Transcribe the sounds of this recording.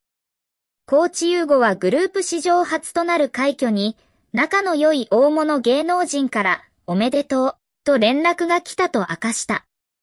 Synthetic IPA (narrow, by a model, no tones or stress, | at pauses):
ko̞ːt͡ɕijɯːɡo̞βaɡɯ̟ɾɯ̟ːpɯ̟ɕiʑo̞ːhat͡sɨ̥t̪o̞naɾɯ̟kaikʲo̞ɲ̟i | nakano̞jo̞iʔo̞ːmo̞no̞ɡe̞ːno̞ːʑĩŋkaɾa | o̞me̞d̪e̞t̪o̞ː | t̪o̞ɾẽ̞nɾakɯ̟ɡakʲi̥t̪at̪o̞ʔa̰kaɕi̥t̪a